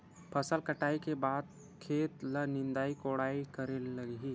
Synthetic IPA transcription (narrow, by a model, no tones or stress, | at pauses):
pʰəsəlkəʈaːikebaːd̪̚ | kʰeːt̪lənɪ̃nd̪aːikoɽaːikəɾelləɡɦiː